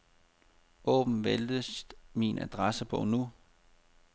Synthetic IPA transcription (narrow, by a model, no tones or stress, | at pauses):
ʔɔ̰ːb̥mn̩ʋeld̥əsminæ̰d̥ʁasəpʰɔ̽nu